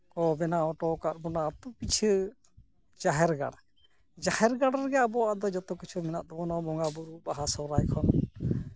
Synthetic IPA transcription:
kɔbɛnaɔ̃ʈɔkaɾbɔnat̪ɔpit͡ʃʰ | d͡ʒaɦɛɾɡa̰ɽ | d͡ʒahɛɾɡaɽaɾɡɛjabɔad̪ɔd͡ʒɔt̪ɔkit͡ʃʰumɛnaʔ̪̚ɔbɔnabɔŋɡabuɾubaɦasɔɾajkʰɔn

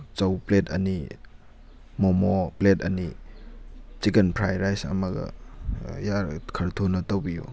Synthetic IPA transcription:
t͡ʃɐwpletʰɐni | mɔmopletʰɐni | t͡ʃikenpʰɾajɾajsɐ̰mɐɡɐ̰ | jaɾkʰɐɾtʰonɐtowbijo̰

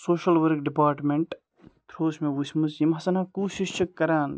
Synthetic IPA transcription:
soːʃɐlʋɐɾk̚ɖipaːɾʈmeɳʈ | t̪ʰɾoːsmeʋusʲmusjimɦɐsɐnaːkuːʃiʃt͡ʃʰɐkːɐɾaːn

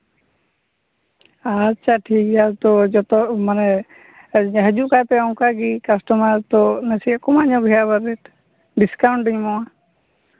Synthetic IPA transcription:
at͡ʃʰaʈʰikaɾt̪ɔd͡ʒɔt̪ɔmanɛ | ɦəd͡ʒuʔkajpɛɔwkaɡikasʈɔmaɾt̪ɔnəsikɔmaɲɔɡʱɛjabaɾɛʈ | ɖiskawɳʈɖəɲmɔa

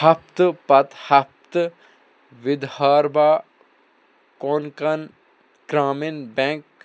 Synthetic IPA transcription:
hɐpt̪pɐt̪hɐp̚t̪ | ʋɪd̪haːɾbaː | koːnkɐn | ɡ̥ɾaːminbɛ̃ːŋk

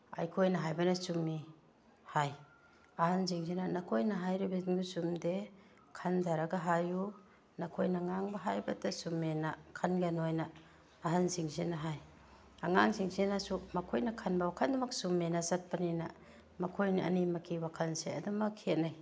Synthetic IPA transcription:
a̰jkʰojnɐɦajbanasumːi | haj | ahanziŋzinanakʰojnaɦajɾibiɡusumde | kʰandaɾaɡaɦaju | nakʰojnaŋaŋbɐɦajbɐtasumːenakʰanɡenojnaː | ɦanziŋzenaɦaj | aŋaŋsiŋsenasumɐkʰojnakʰanbawakʰandumɐksumːenasat̚panina̰ | mɐkʰojnaɐ̰nimakʰiwakʰansea̰dumɐkʰːiet̚naj

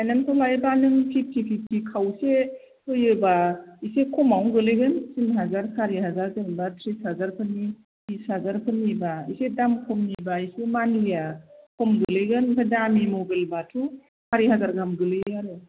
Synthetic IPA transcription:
ajnantʰɔlajbanɯŋpʰip̚tʰipʰip̚tʰikʰawse | tʰɯjɯbaisekʰɔmawɡɯlɯjɡɯnsinɦazaɾsaɾiɦazaɾkɯmbatʰɾishazaɾkʰɯni | bishazaɾkʰɯnibaisedamkʰɔmnibaisemanɡijakʰɔmɡɯlɯjɡɯnkʰadamimobelbatʰu | haɾiɦazaɾɡamɡɯlɯjaɾɯ

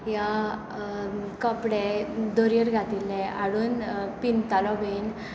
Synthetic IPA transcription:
ja | kəpɽed̪oɾjəɾɡʱat̪ilːɛaɽuːnpint̪alɔben

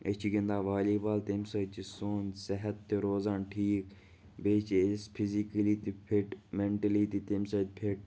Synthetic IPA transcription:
et͡ʃʰiɡẽnd̪aːʋaːliːbaːlt̪emsɐt͡ʃisoːnsɐɦət̪ːeɾoːzãːnʈʰiːk | beːt͡ʃspʰizikəlit̪ipʰɪʈmeɳʈɐlit̪it̪emsɐd̪pʰɪʈ̚

